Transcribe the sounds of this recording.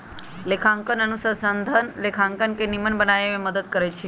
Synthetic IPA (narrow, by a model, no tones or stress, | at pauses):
lekʰãŋkənənusəsənd̪ʱənlekʰaŋkənkenimənbənajemẽməd̪əd̪̚kəɾet͡ʃʰe